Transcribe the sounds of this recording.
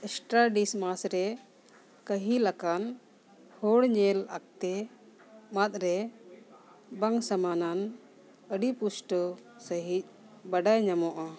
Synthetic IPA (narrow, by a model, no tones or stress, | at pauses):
ɛsʈɾaɖismasɾɛ | kəɦilakan | hɔɽɲɛlak̚t̪ɛ | mat̪̚ɾɛ | baŋsamanan | əɖipusʈə | səɦic̚ˀ | baɖajɲamɔʔa